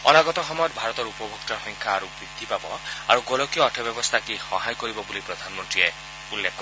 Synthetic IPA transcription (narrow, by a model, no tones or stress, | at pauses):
ɔ̰naɡɔt̪ɔxɔmɔjɔt̪̚bʱaɹɔt̪ɔɹupɔbʱɔkt̪ɔxɔŋkʰaːɾubɹid̪ʱːipabɔa̰ɹuɡɔlɔkijɔːʈʰɛbjɔbɔst̪ʰakixɔɦajkoɾibɔbulipɹɔd̪ʱanmɔntɹie | ulːekʰkːɔ